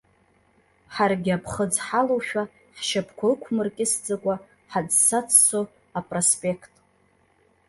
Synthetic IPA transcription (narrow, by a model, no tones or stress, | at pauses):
ħarɡʲɪapʰχəd͡zħalowʃᶣa | ħʃapʰkʷʰaɨkʷʰmɨrkʲʼɪsd͡zakʷʼa | ħad͡zsat͡sʰso | apʼrospʼe̞kʰtʼ